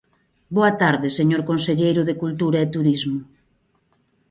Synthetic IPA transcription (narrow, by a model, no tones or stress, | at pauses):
boɐt̪aɾðɪseɲoɾkonseʎejɾʊðekult̪uɾɐet̪uɾizmʊ